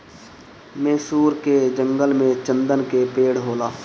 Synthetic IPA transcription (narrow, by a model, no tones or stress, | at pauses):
meːsuːɾked͡ʒə̃ŋɡəlmẽt͡ʃə̃nd̪ənkepeːɽɦoːlaː